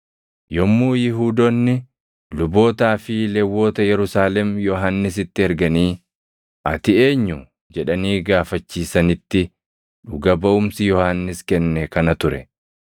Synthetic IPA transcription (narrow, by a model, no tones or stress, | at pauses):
jɔmːuːjɪɦuːd̪onːɪ | lʊbo̞ːt̪aːfɪlɛwːo̞ːt̪ɐjɛɾʊsaːlɛmjɔɦanːɪs̬ɪt̪ːɪɛɾɡɐniː | ʔɐt̪ɪe̞ːɲːʊ | d͡ʒɛᶑɐniːɡaːfɐt͡ʃːiːsɐnɪt̪ːɪ | ᶑʊɡɐbɐʔʊmsɪjɔhanːɪskɛnːɛkɐnɐt̪ʊɾɛ̰